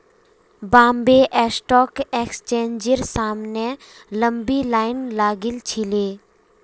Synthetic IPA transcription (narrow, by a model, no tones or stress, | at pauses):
bãːmbeʔɛsʈɔːkeːkst͡ʃẽːnd͡ʒəɾsaːmne | lə̃mbilaːɪnlaːɡɪlt͡ʃʰileː